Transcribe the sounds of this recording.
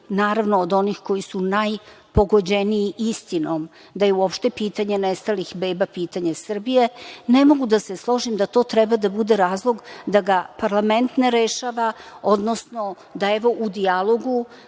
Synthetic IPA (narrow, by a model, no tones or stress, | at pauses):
naːɾaʋnoːd̪o̞nixko̞jisunaj | po̞ɡo̞d͡ʑeniːʔist̪inom | d̪ajeuopʃt̪e̞piːt̪aɲenest̪alixbeːbapiːt̪aɲasr̩bije̞nemo̞ɡud̪ase̞slˠo̞ʒimd̪at̪o̞ːt̪ɾɛbad̪abud̪eɾaːzlˠo̞ɡd̪aɡapaɾlˠame̞nt̪neɾeʃaːʋao̞d̪no̞sno | d̪aeʋo̞ʔud̪ialˠo̞ɡu